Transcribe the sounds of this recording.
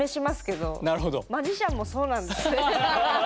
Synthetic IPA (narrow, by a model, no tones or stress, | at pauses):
e̞ɕimasɨ̥ke̞d̪o̞̰naɾɯ̟ɦod̪omaʑiɕãmːo̞so̞ːnãnd̪esɨne